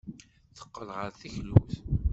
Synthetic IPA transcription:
θə̥qːəlʁəɾθiçlːuθ

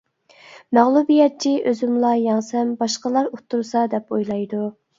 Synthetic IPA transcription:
mæʁlˠubijɛt̪̚t͡ʃʰiʔøzymlˠɑjɑŋsɛmbɑʃqəlˠɑɾot̪ʰːuɾsɑd̪ɛpojlˠɑjd̪u

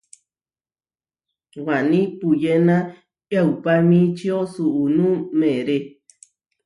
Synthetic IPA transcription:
wanĩpujenã | aupamĩt͡ʃiosuʔunũmẽɾe

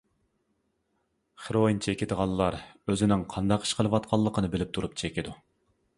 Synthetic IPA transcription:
χeɾoint͡ʃʰekʲɪd̪əʁɑnlˠːɑɾøzɪnɪŋqʰɑnd̪ɑqi̥ʃqəlˠɨʋɑt̪̚qʰɑlˠːəqʰənɨbɪlɪp̚t̪ʰuɾup̚t͡ʃʰekʲid̪u

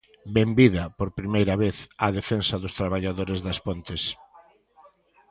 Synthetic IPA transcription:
bembiðɐpoɾpɾimejɾɐβeθɐðefensɐðʊst̪ɾaβ̞aʎaðoɾɪzðɐspont̪ɪs

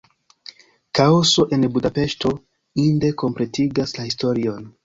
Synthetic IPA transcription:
kaoso̞ʔe̞nbudape̞ʃto̞ | inde̞ko̞mple̞tiɡaslahisto̞ɾio̞n

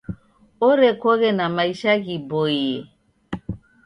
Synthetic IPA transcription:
ɔɾɛkɔɣɛnamaiʃaɣibɔiɛ

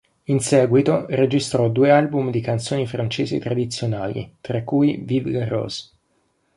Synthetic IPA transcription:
insɛːɡwit̪ored͡ʒist̪ɾɔd̪uːealbumd̪ikant̪soːnifɾant͡ʃeːzḛt̪ɾad̪it̪sːjonaːlḭt̪ɾakːuivivɡarɔ̰z

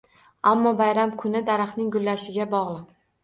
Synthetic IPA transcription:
amːɒbajɾamkʰʊnɪd̪aɾɑχnɪŋɡʊlːaʃɪɡʲabɒʁlˠɨq

